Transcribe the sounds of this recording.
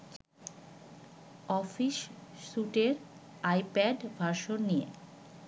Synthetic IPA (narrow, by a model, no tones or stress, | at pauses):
ɔfiʃːuʈeɾ | ajpɛɖbʱaɾʃonːijḛ